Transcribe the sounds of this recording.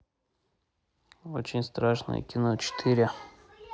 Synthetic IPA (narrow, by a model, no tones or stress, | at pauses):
ot͡ɕɪnʲst̪ɾaʂnə̰jə̰kʲɪnot͡ɕɪ̥t̪ʰiɾʲɪ